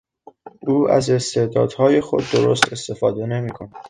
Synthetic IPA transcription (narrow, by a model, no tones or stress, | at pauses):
ʔuːæ̰ze̞st̪e̞d̪ɒ̰ːd̪̥hɒːje̞xo̞d̪ːoɾo̞st̪e̞st̪e̞fɒːd̪e̞ne̞miːkʰonæd̪̥